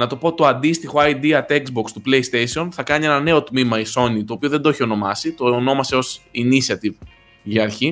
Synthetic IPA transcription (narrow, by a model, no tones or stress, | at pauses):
nɐt̪o̞po̞t̪o̞ɐnd̪ist̪ixo̞ɐjd̪iɐt̪ekzbokst̪uple̞jst̪esio̞nθɐkɐnie̞nɐne̞o̞t̪mimɐiso̞nit̪o̞ːpio̞ðed̪oçio̞no̞mɐsit̪o̞ːno̞mɐse̞o̞sinisɐt̪iv | ʝiɐɾçi